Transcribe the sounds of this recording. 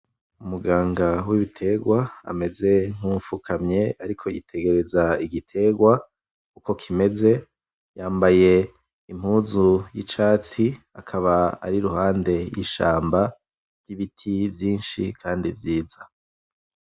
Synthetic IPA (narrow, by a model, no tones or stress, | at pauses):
umuɡaːŋɡawiβitʰe̞ɡwaa̰me̞ze̞ŋ̥uːɱfukʰamɲe̞aɾikʰo̞jitʰe̞ɡe̞ɾe̞zaiɡitʰe̞ːɡwa | kuko̞kʰime̞ze̞ | jaːmbaje̞ | im̥huːzujḭt͡ʃaːt͡si | akʰaβaa̰ɾiɾuhaːnde̞jḭʃa̰ːmba | ɾɟ̥iβitʰivjiːnʃikʰaːndḭvjiːza